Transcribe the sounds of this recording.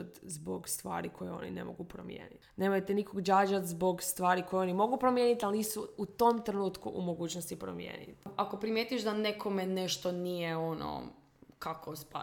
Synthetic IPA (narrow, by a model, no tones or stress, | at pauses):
t̪zboɡst̪ʋa̰ːɾikʰo̞jeo̞̰nḭne̞̰mo̞̰ɡupɾo̰mjḛːnit̪ne̞mojt̪enikoɡd͡ʒaːd͡ʒat̪zbo̞ɡst̪ʋaːɾiko̞jo̞nimo̞ɡupɾomje̞nit̪alnisuut̪omt̪ɾenuːt̪kuʔumo̞ɡuːt͡ɕnost̪ipɾo̰mjḛːnḭt̪ako̞pɾimjeːt̪ujeʒd̪anekʰomeneʃt̪onijeono̰ | kakʰospa̰